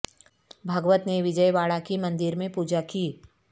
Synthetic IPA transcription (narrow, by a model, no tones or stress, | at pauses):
bʱɐɡʋət̪neʋɪd͡ʒəjʋaːɭakimɐ̃nd̪ɪɾmẽpuːd͡ʒakiː